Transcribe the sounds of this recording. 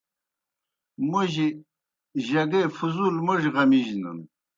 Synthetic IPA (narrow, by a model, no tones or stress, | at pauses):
muʑi | ʑɐɡefuzulmuʐʁɐmiʑnə̰n